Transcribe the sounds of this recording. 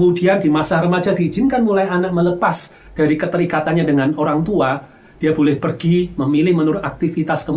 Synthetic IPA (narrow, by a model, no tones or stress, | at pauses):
mudiandimasarəmad͡ʒadiːd͡ʒɪnkanmulajanak̚mələpas | d̥aɾikət̪əɾikat̪anɲadəŋanoɾaŋt̪ua | d̥iabolɛhpərɡiməmilɪhmənuɾʊt̪ak̚t̪ifit̪askə